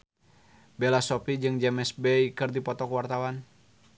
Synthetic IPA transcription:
bɛlasɔpid͡ʒɨŋd͡ʒɛmɛsbɛikɨrdipɔt̪ɔkwart̪awan

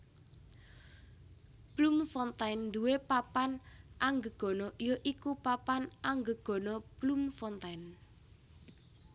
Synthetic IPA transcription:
b̥lumfɔnt̪ajnd̪uwepapanʔaŋɡəɡ̥ɔ̤nɔjoʔikupapanʔaŋɡəɡ̥ɔ̤nɔb̥lumfɔnt̪ajn

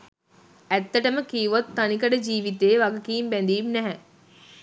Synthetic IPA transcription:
æt̪ːəʈəməkijuʋot̪ːanikəɖəd͡ʒiːʋit̪eːʋaɡɐkiːmbɛnd̪iːmnɛɦɛ

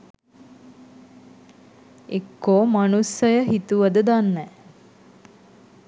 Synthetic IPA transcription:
ekːoːmanusəjəɦit̪uʋəd̪əd̪anːɛː

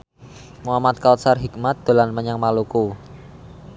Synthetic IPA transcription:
muɦamat̪̚kawt̪sarɦik̚mat̪̚d̪̥olanməɲaŋmaluku

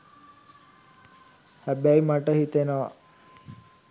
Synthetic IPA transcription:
hæbæimaʈəɦit̪enəʋa̰

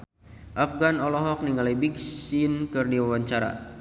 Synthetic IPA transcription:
ʔafɡanɔlɔɦɔk̚niŋalabiksinkɨrdiwawaɲt͡ʃaɾa̰

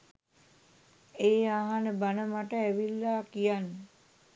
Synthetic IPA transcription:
eːaɦanəbanəmaʈəæʋilːaːkijanːə

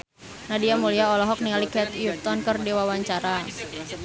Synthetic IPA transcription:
nadiamuliaɔlɔɦɔk̚nialikɛt̪jut̪ɔnkərdiwawaɲt͡ʃaɾa

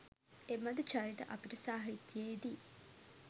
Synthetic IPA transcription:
emɐd̪ut͡ʃaɾiʈə̰ʔɐpiʈəsaːɦit̪ːjeːd̪i

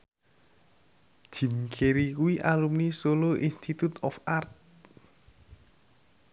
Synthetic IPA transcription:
d̥ʒ̥i̤mkʰeɾikuwiʔalumnisoloʔinst̪it̪ut̪ɔfart̪̚

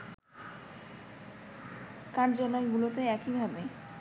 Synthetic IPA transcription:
kaɾd͡ʑɔnɔeɡulot̪eɛkibʱabe

